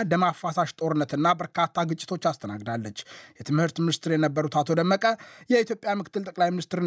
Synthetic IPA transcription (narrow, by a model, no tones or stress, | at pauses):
ləmafːasaʃt̪ʼo̞ɾɨnːət̪ɨnːabəɾkʰat̪ʰːaɡɨt͡ʃʼɪ̥t̪ʰo̞t͡ʃːast̪ʰəna̰ɡd̪alːət͡ʃːjɛt̪ʰɨmhɨɾt̪minɨst̪ɨɾjɛnəbːəɾut̪at̪ʰo̞d̪əmːəkʼəjɛit̪ʰjo̞pʼjamɨkʰɨ̥t̪ːɨlt̪ʼəkʼlajminɨst̪ɨɾɨ